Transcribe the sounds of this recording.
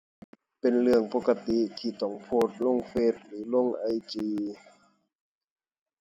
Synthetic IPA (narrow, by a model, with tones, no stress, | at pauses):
pe˨nlɯ˧˩əŋpo˧˥ka˧t̪i˧ʔt̪ʰiː˧˩t̪ɔː˧˩ŋpʰoː˧˩t̪̚lo˧˥˨ŋfeː˧˩t̪̚lɯː˨˦lo˧˥˨ŋʔa˧jt͡ɕiː˧